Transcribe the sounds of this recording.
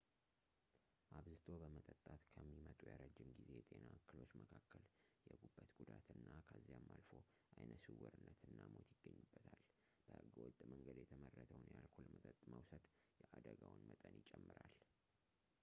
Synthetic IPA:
ʔaβzɨt̪ʰo̞bəmət̪ʼət̪ʼːat̪kʰəmːimət̪ʼujaɾəd͡ʒːɪmɡizejt̪ʼe̞nakːɨlo̞t͡ʃːməkʰakːəljɛɡubːət̪ɡ̥ud̪at̪ɨnːakʰəzːijamːalfo̞ | ʔajnəsɨwɔɾɨnːət̪ʰɨnːamo̞t̪jɪɡ̥ːəɲːubːət̪ʰal | b̥əhɨɡəwɔt̪ʼːməŋɡəd̪jɛt̪ʰəmərːət̪ʰəwnjalkʰolmət̪ʼət̪ʼmawsəd̪jɛʔad̪əɡawnmət̪ʼənjɪt͡ʃʼɛmːɨɾal

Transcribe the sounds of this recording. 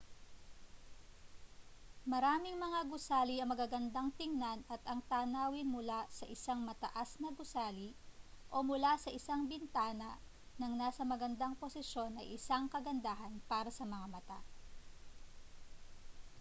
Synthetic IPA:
mɐɾaːmɪŋmɐŋaɡʊsaːliɐŋmɐɡaɡɐnd̪aŋt̪ɪŋnanɐt̪ɐŋt̪aːnaːwɪnmʊlasɐʔɪsaŋmɐt̪ɐ̰ʔasnɐɡʊsaːliʔo̞mʊlasɐʔɪsaŋbɪnt̪aːnɐ | nɐŋnaːsɐmɐɡɐnd̪aŋposɪʃo̞nʔɐ̰ʔɪsaŋkɐɡɐnd̪aːɦɐnpaːɾɐsɐmɐŋamɐt̪a̰

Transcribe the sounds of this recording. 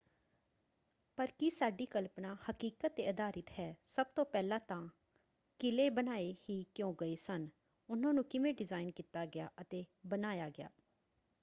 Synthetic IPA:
pəɾkisaːɖiːkəlpnaːhəkiːkət̪ːeːəd̪aːɾɪt̪hɛːsəb̚t̪õːpɛːlãːt̪ãː | kɪleːbənaːeːhiːkjõːɡəeːsən | ʊnãːnũːkɪʋẽːɖɪzaːɪnkiːt̪aːɡɪja̰ːʔət̪eːbənaːjaːɡɪja̰ː

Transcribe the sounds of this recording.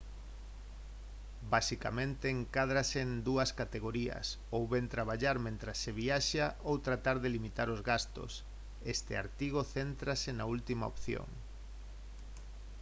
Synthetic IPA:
basika̰mẽnt̪eːŋkað̞ɾasend̪uɐskat̪eɣ̞oɾiɐ̰s | owβent̪ɾaβ̞aʎaɾmẽnt̪ɾasːeβiaʃaowt̪ɾat̪aɾðelimit̪aɾozɣast̪o̰s | est̪ḛa̰ɾt̪iɣoθent̪ɾasenault̪imao̰pθjo̰ŋ

